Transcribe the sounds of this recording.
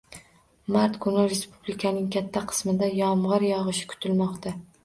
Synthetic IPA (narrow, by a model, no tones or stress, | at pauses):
maɾt̪kʰʊnɪɾe̞spublɪkʰanɪŋkʲʰat̪ʰːaqʰɨ̥smɪd̪ajɒmʁɨɾjɒʁɨʃɪ̥kʰʊ̥t̪ʰɪlmɒqt̪ʰa